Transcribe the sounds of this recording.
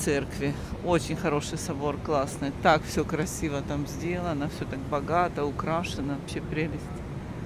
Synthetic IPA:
t̪sɛrkvʲɪot͡ɕɪnʲxɐɾo̞ʂɨjsɐbo̞rklˠasnɨjt̪akfsʲɵkɾɐsʲivət̪amzʲdʲe̞lˠəɐnəfsʲɵt̪aɡ̚bɐɡat̪əʊkɾaʂɨnəvɐpɕepɾʲelʲɪsʲtʲ

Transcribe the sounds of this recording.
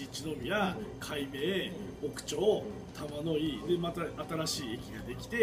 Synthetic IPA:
it͡ɕino̞mʲijakʰaime̞ːbo̞kɯ̟̥t͡ɕo̞ː | t̪ʰamano̞id̪e̞mat̪aat̪aɾaɕiːe̞kʲiɡad̪e̞kʲi̥t̪e̞

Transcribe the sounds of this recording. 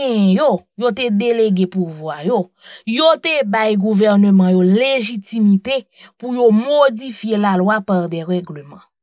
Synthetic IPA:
ɛɛ̃jojot̪ed̪eleɡepuvwajo | jot̪ebajɡuvɛʁnømãjoleʒit̪imit̪e | pujomod͡zifjelalwapaʁd̪ɛʁɛɡlømã

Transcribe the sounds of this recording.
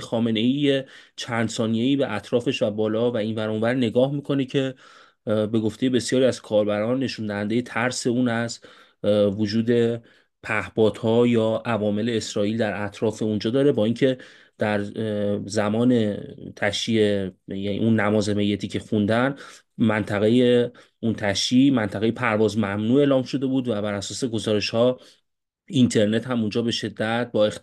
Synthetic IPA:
xɒːme̞ne̞iːje̞t͡ʃʰænd̪sɒːnije̞iːbe̞ʔæt̪ʰɾɒːfe̞ʃvæbɒːlɒːvæinvæɾunvæɾne̞ɡɒːhmiːkʰo̞necʰe̞ | be̞ɡo̞ft̪e̞je̞be̞sijɒːɾiæz̥kʰɒːɾbæɾɒːnːe̞ʃund̪æhænd̪eje̞t̪ʰæɾse̞uːnæz | vod͡ʒuːd̪e̞ | pʰæhbɒːd̪̥hɒːjɒːʔævɒːme̞le̞ːsɾɒːiːld̪æɾæt̪ʰɾɒːfe̞und͡ʒɒːd̪ɒːɾe̞bɒːiŋcʰe̞ | d̪̥æɾ | zæmɒːne̞t̪ʰæʃiːejænḭʔunːæmɒːzeme̞jːet̪ʰiːcʰe̞xund̪æn | mænt̪ʰæɣe̞je | unt̪ʰæʃiːmænt̪ʰæɣe̞jepʰæɾvɒːzmæmnuːe̞ːlɒːmʃo̞d̪e̞buːd̪væbæɾæsɒːse̞ɡo̞zɒːɾe̞ʃhɒː | int̪ʰe̞ɾne̞t̪hæmund͡ʒɒːbe̞ʃe̞d̪ːæt̪̚bɒːe

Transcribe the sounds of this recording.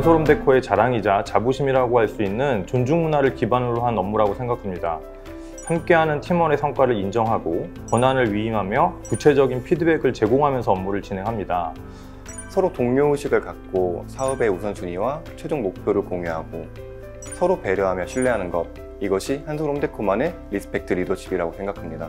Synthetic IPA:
ansʰoɾomde̞kʰoe̞t͡ɕaɾaŋid͡ʑat͡ɕabuɕʰimiɾaɡoɦaɭs͈uinːɯnt͡ɕond͡ʑuŋmunaɾɯɭkibanɯɾoɦanʌmːuɾaɡosʰe̞ŋɡakʰamɲida | hamk͈e̞ɦanɯntʰimʌne̞sʰʌŋk͈waɾɯɾind͡ʑʌŋɦaɡo | pʌnanɯɭɥiimɦamjʌkut͡ɕʰe̞d͡ʑʌɡinpʰidɯbe̞ɡɯɭt͡ɕe̞ɡoŋɦamjʌnsʰʌʌmːuɾɯɭt͡ɕinɦe̞ŋɦamɲida | sʰʌɾotoŋɲouɕʰiɡɯɭkak̚k͈osʰaɯbe̞usʰʌnt͡ɕuɲiwat͡ɕʰwe̞d͡ʑuŋmok̚pʰjoɾɯɭkoŋiɦaɡo | sʰʌɾope̞ɾjʌɦamjʌɕʰiɭːe̞ɦanɯnɡʌt̚ | iɡʌɕʰihansʰoɾomtʰekʰomane̞ɾisʰɯ̥pʰek̚tʰɯɾidot͡ɕʰibiɾaɡosʰeŋɡakʰamɲida

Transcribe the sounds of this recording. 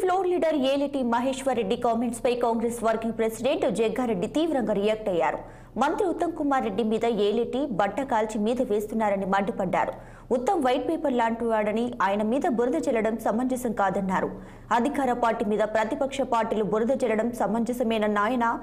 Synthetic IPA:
pʰloːɾliːɖɐɾeːliʈimɐɦeːʂʋɐɾːe̞ɖːikaːmeɳʈspɐjkaːŋɡɾesʋɐɾkiŋɡpɾesiɖeɳʈd͡ʒɛːɡʱaːɾeɖːit̪iːʋɾɐŋɡaːɾijaːk̚ʈɐjːa̰ːɾṵ | mɐnt̪ɾiut̪ːɐmkumaːɾːe̞ɖːimiːd̪ɐeːliʈibɐʈːɐkaːlt͡ʃimiːd̪ɐʋe̞ːst̪unːaːɾɐnimɐɳɖipɐɖːa̰ːɾu | ut̪ːɐmʋɐjʈ̚peːpɐɾlaːɳʈuʋaːɽɐniaːjɐnɐmiːd̪ɐbuɾɐd̪ɐt͡ʃɛlːɐɽɐmsɐmɐɲd͡ʒɐsɐmkaːd̪ɐnːaːɾu | ɐd̪ʱikaːɾɐpaːɾʈimiːd̪ɐpɾɐt̪ipɐkʂɐpaːɾʈiːlubuɾɐd̪ɐt͡ʃɛlɐɽɐmsɐmɐɲd͡ʒɐsɐmɐjnɐnːaːjɐna

